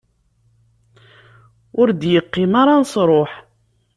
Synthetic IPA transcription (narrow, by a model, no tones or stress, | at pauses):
ʊɾd̪jəqːɪmaɾˤɑnsˤɾˤoħ